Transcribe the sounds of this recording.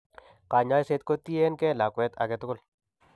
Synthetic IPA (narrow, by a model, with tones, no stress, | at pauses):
ka˨ɲa˦jse˦t̪ko˦t̪ːi˦e˦nkɛ˦la˨kwɛ˦t̪a̰˨kɛ˦t̪ʊ˦kʊ˦l